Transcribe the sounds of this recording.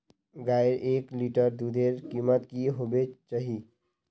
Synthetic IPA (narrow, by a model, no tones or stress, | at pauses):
ɡajɾʔekliʈəɾd̪ud̪eɾkimət̪kiɦobet͡ʃaɦi